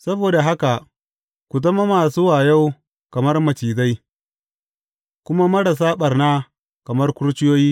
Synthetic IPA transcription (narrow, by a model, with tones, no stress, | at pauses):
sɐ˦boː˨da˨ɦa˦ka˨ | kʷu˨t̬ɐ˦ma˦maː˨suː˦waː˨ja˦w | kɐ˨mɐ˦rmɐ˨t͡ʃiː˨za˦j | kʷʊ˦ma˦mɐ˦ɽɐ˨s̬aː˦ɓɐ˨rna˦ | kɐ˨mɐ˦rkʷʊ˦ɽt͡ʃɪ˦joː˦jiː˦